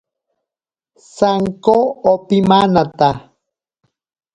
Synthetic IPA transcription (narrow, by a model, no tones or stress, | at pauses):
saŋkoopimanat̪a